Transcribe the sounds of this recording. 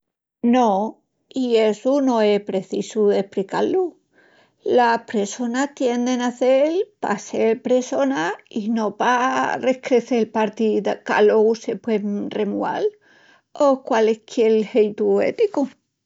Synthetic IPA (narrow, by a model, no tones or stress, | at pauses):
no | ie̞sunõ̞e̞hpɾe̞θisue̞hplikalu | lapɾeso̞nat̪je̞nd̪e̞naθelpa̰se̞ɾpɾe̞so̞naino̞pare̞hkɾe̞θelpaɾt̪iðaka̰lo̞ɣuse̞pwe̞mremua̰l | okwalekʰjelhejt̪uḛt̪iku